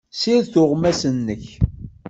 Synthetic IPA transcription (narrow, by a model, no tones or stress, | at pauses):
siðθʊʁmæsənːəç